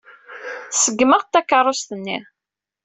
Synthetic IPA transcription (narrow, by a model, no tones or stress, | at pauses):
θsəɡːməʁt̪ːækːɑɾˤrˤːost̪ənːḭ